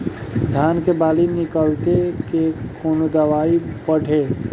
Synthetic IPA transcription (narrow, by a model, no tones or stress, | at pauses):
d̪ʱaːnkebaːlinɪkəlt̪ekekʰoːnd̪əʋaːipəɽʱeː